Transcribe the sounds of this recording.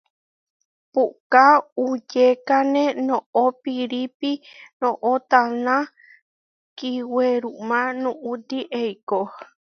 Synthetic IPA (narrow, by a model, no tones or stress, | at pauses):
pukaud͡ʒekanẽnõʔopiɾipinõʔot̪anã | kiweɾumãnũʔud̪iʔejko